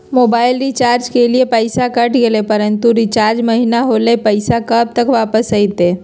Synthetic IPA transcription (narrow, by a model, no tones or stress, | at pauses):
moːbaːɪlɾit͡ʃaːɾd͡ʒkeliepəɪsakəʈɡelepəɾənt̪uɾit͡ʃaːɾd͡ʒməɦinaɦolepəɪsakəb̚t̪əkʋaːpəsəit̪e